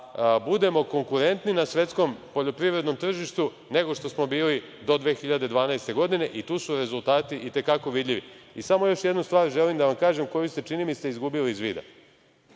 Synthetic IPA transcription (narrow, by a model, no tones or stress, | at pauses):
bud̪e̞mo̞ko̞ŋkuɾe̞nt̪ninasʋe̞t̪sko̞mpo̞ʎo̞pɾiʋɾed̪no̞mt̪r̩ʒiʃt̪u | ne̞ɡo̞ʃt̪o̞smo̞biːli | d̪o̞d̪ʋe̞ːxiʎad̪e̞d̪ʋaːnaejst̪e̞ɡo̞d̪ine̞ʔit̪uːsuɾe̞zulˠt̪aːt̪iʔit̪e̞kako̞ʋid̪ʎʲiʋiisamo̞jo̞ʃjed̪nust̪ʋaːɾʒe̞limd̪aʋamkaːʒemko̞just̪e̞t͡ʃinimiseizɡubiliizʋiːd̪a̰